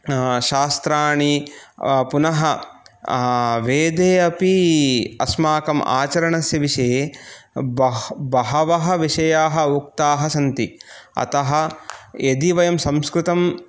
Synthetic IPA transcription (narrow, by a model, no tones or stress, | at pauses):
ʃaːst̪ɾaːɳi | punɐɦɐ | ʋeːd̪eːɐpiɐsmaːkɐmʔa̰ːt͡ʃɐɾɐɳɐsjɐʋiʃeː | bɐbɐɦɐʋɐɦɐ̆ʋiʃɐjaːɦɐ̆uk̚t̪aːɦɐsɐnt̪iɐ̰t̪ɐɦɐ̆ed̪iʋɐjɐmsɐmskɾut̪ɐm